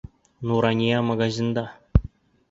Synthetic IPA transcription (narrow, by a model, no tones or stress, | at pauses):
nuɾanʲijamaɡazʲind̪ɑ